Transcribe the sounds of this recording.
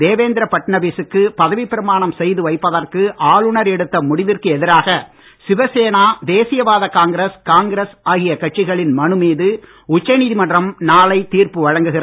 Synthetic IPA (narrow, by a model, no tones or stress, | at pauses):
d̪eːʋeːnd̪ɪɾɐpɐʈːnɐbiːsɯkːɯpɐðɐʋipːɪɾɐmaːɳɐmsɛjðɯʋɐɪpːɐðɐrkɯʔaːɭʊɳɐɾɛɽɯt̪ːɐmʊɽɪʋɪrkɯɛðɪɾaːɣɐ | sɪʋɐseːnaːd̪eːsɪjɐʋaːðɐkaːŋɡɪɾeskaːŋɡɾɐsaːɣɪjɐkɐʈ̚t͡ʃːɪɣɐɭɪnmɐɳɯmiːðɯ | ʊt͡ʃːɐniːðɪmɐɳɖrɐmnaːɭɐɪt̪iːrpɯʋɐɻɐŋɡɯɣɪr